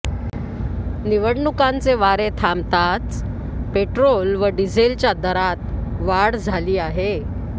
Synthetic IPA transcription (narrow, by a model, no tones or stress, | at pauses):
niʋəɽɳukãnt͡seʋaɾet̪ʰamt̪at͡s̪ | peʈɾolʋəɖid͡zʱelt͡ɕjad̪əɾat̪ʋaɽd͡zʱaliːaɦe